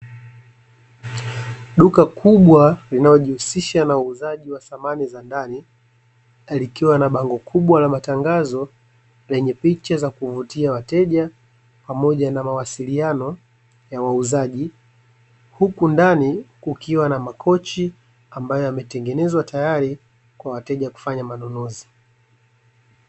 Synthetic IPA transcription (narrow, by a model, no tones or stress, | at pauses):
ɗukakʰuɓwalinalɔʄihusiʃanauːzaʄiwasamanizandani | likiwanaɓaŋɡɔkʰuɓwalamataŋɡazɔ | lɛɲɛpit͡ʃazakuvutiawatɛʄa | pamɔʄanamawasilianɔ | jawauzaʄi | hukundanikukiwanamakʰɔt͡ʃi | ambajɔjamɛtɛŋɡɛnɛzwatajaɾi | kwawatɛʄaku̥faɲamanɔnɔzi